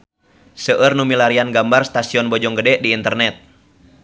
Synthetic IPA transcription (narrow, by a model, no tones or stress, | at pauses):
səʔərnumilaɾianɡambarst̪asiɔnbɔd͡ʒɔŋɡədɛdiːnt̪ərnɛt̪̚